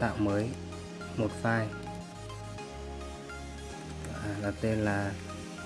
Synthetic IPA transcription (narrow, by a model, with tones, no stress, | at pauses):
t̪a̰ː˧˨wməː˨˦j | mo˨˩t̚faː˧j | aː˨˩ɗə˨˩p̚t̪e˧nlaː˨˩